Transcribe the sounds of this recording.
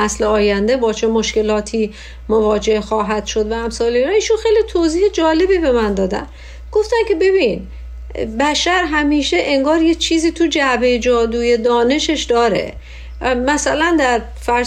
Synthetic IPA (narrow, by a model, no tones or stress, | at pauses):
æsleɒːjænd̪e̞bɒːt͡ʃʰe̞moʃke̞lɒːt̪ʰiː | movɒːd͡ʒe̞hxɒːɦæd̪̥ʃod̪vææmsɒːleɾɒiːʃunxejlit̪ʰoziːhed͡ʒɒːle̞biːbe̞mænd̪ɒːd̪æ̰n | ɡ̥oft̪æncʰe̞be̞bin | bæʃæɾɦæmiːʃeʔeŋɡɒːɾjet͡ʃʰiːziːt̪ʰud͡ʒæbejed͡ʒɒːd̪uːje̞d̪ɒːne̞ʃe̞ʃd̪ɒːɾe̞̰ | mæsælænd̪æɾ | fæ